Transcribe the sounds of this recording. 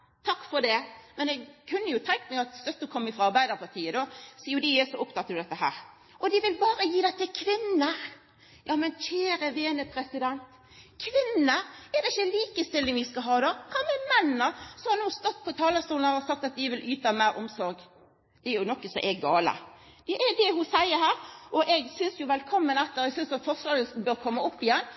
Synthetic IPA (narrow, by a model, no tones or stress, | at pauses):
t̪ʰɑkːfɔd̪ɛmɛnɛɡkʰʉnːəjʊt̪ʰɛŋt̪mɛɡɑt̪st̪œt̪ːəkʰɔmːəfɾɑɑɾbæɪd̪əɾpʰɑʁt̪ʰiːəd̪osiːjʊd̪ijesɔʊpt̪ɑt̪ːəɾd̪ɛt̪ːəɦæ̰ːɾ | ʔɔd̪ɪʋɪlbɑːɾəjiːd̪ɛɪt̪ːɪkʰʋɪnːə | jʔɑːmɛnçʰeːɾəʋeːnəpʰɾɛsɪd̪ɛnt̪ | kʰʋɪnːəɛɾd̪ɛɪçːəliːkəst̪ɪlːɪŋʋɪskɑɦɑːd̪ɑkʰɑmɛmɛnːnəsɔhɑɾnuːst̪ɔt̪̚ːpʰɔt̪ʰɑːləst̪uːlnəɾɔsɑkt̪ɑt̪̚d̪ɪʋɪlʔyːt̪ɑmæɪɾʔɔmsɔɾɡ | d̪̥ɛɛɾjʊnɔkːəsɔ̰ʔɛɡɑːlə̰ | d̪̥ɛʔɛd̪ɛɦʊsæɪəɾhæːɾʔɔʔɛɡsʏnsjʊʋɛlkʰɔmːənɛt̪ːəɾɛɡsʏnsɑt̪fɔʁsɑːɾəsbøːɾkʰɔmːɑɔpːɪjɛnː